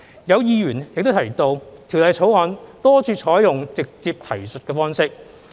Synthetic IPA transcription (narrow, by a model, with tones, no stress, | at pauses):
jɐ˨˧wjiː˧jyː˨˩njɪ˨k̚t̪o˥t̪ʰɐ˨˩jt̪o˧wt̪ʰi˨˩wlɐ˨jʰo˨˥wɔː˨˧nt̪ɔː˥t͡ʃʰyː˧t͡ʃʰɔː˨˥jjʊ˨ŋt͡sɪ˨k̚t͡siː˧p̚t̪ʰɐ˨˩jsɵ˨t̚kɛː˧fɔː˥ŋsɪ˥k̚